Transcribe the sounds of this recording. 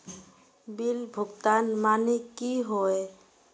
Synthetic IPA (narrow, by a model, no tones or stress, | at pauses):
bilbʱuɡt̪anmanekiɦɔe